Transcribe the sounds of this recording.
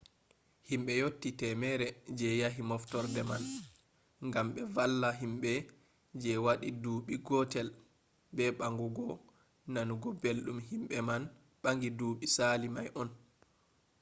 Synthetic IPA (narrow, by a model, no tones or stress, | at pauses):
himɓɛjotːitɛmɛɾɛd͡ʒɛjaɦimɔftɔɾdɛman | ŋɡamɓɛvalːaɦimɓɛ | d͡ʒɛwaɗiduːɓiɡɔtɛl | bɛɓaŋɡuɡɔ | nanuɡɔbelɗumhimɓɛman | ɓaŋɡiduːɓisaːlimajʔɔn